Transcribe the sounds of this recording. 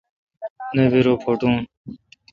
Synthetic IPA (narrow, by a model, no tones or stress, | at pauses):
neːbiɾoːpʰoːʈũː